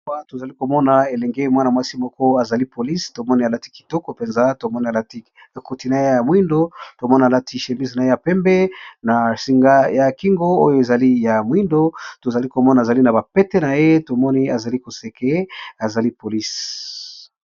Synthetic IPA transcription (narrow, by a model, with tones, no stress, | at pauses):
a˦to˨za˨li˦ko˨mɔ˦na˨e˨lɛ˨ŋɡe˦mwa˦na˨mwa˦si˦mɔ˦kɔ˦a˨za˨li˦po˨li˦sto˨mɔ˦ni˦a˨la˦ti̥˦ki̥˨tɔ˦kɔ˨pe˨nza˦to˨mɔ˦ni˦a˨la˦ti˦ | a˨ku˨ti˨na˨je˦ja˨mwi˦ndo˦to˨mɔ˦ni˨a˨la˦tʰi˦ʃe˨mbi˦sna˨je˦ja˨pɛ˦mbɛ˦na˨si˨ŋɡa˦ja˨ki˦ŋɡo˦o̰˦jo˦e˨za˨li˦ja˨mwi˦ndo˦to˨za˨li˦ko˨mɔ˦na˨za˨li˦na˨ba˨pɛ˦tɛ˦na˨je˦to˨mɔ˦ni˦a˨za˨li˦ko˨se˨kʰe˦a˨za˨li˦po˨li˦s